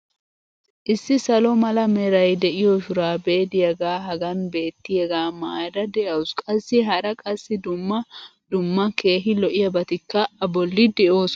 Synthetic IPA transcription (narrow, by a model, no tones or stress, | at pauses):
ʔɪsːɪsɐlɔmɐlɐmɛɾɐjd̪ɛʔɪjɔʃʊɾaːbeːd̪ɪjɐɡaːɦɐɡɐnbe̞ːt̪ːɪjɐɡaːmaːjdɐd̪ɛʔɐʊskʼɐsːɪɦɐɾɐkʼɐsːɪd̪ʊmːɐd̪ʊmːɐke̞ːɦɪlɔʔɪjɐbɐt̪ɪkːɐɐbɔlːɪd̪ɛʔo̞ːs